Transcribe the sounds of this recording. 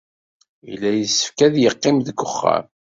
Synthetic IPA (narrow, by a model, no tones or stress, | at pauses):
ḭlːæjəsːə̥fkæðjəqːɪmðəɡːʊχːa̰m